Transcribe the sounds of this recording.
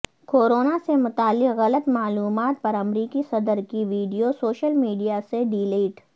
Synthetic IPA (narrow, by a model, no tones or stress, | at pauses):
koːɾoːnasemʊt̪aːlːɪqɣɐlət̪maːluːmaːt̪̚pɐɾɐmɾiːkisɐd̪əɾkiʋiːɖijosoːʃəlmiːɖijaseɖiːleːʈ